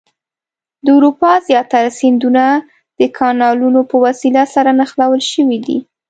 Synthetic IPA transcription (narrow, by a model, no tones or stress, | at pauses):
d̪əʊɾupɑzjɑt̪aɾasɪnd̪una | d̪̥əkʰɑnɑlunopəwasilasaɾanaxlawəlʃəwid̪ḭ